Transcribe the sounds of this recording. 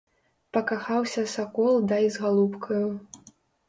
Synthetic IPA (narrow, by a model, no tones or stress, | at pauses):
pɐkaxawsʲɐsakɔlˠd̪ɐizɣalˠupkʰɐju